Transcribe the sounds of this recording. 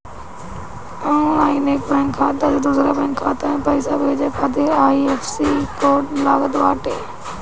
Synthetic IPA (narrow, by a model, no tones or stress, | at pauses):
əũaːineːkbɾɛ̃ŋkʰːaːd̪ad͡ʒed̪ʊzɾaːbɛ̃ːŋkʰːaːt̪ãpəisaːbeːd͡ʒaːkʰaːt̪eːaːiːeːfʰsiːkoːʈlaːɡət̪ʋaːʈeː